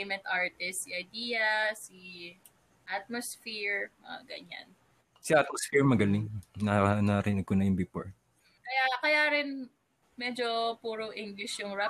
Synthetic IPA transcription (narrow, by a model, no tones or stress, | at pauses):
jmɛ̃nt̪ʔaɹt̪ɛssiʔɐjd̪iːjɐsi | ʔat̪̚mosfiɹɐ̰ɡɐ̰ɲa̰n | siʔat̪̚mosfiɹmɐɡɐlɪŋnɐnɐɾɪnɪɡ̚kʊnɐjʊŋbɪpo̰ɹ | kɐjakɐjaːɾɪn | mɛd͡ʒopuːɾoŋʔɪŋɡlɪʃjʊŋɹa